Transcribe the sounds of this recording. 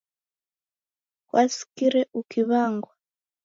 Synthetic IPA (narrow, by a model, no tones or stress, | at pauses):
kwʔasi̥kiɾɛʔukʰiβaŋɡwa